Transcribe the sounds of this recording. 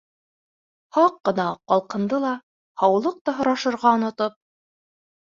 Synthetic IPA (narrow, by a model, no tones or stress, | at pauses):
hɑqːɤ̆nɑqɑlˠqɤ̆nd̪ɤlˠɑ | hɑwlˠɤq̚t̪ɑɦŏɾɑʃɤ̆ɾʁɑŏnŏt̪ɤp̚